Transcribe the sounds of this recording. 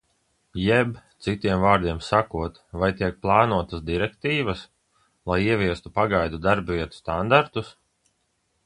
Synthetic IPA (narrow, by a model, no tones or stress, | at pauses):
jɛbt̪sit̪iɛmvaːɾd̪iɛmsakuɔt̪vajt̪iɛk̚plˠɑːnuɔt̪asd̪iɾɛkt̪iːvɐs | lˠajiɛvʲiɛst̪upaɡajd̪ud̪aɾbviɛt̪u̥st̪and̪aɾt̪us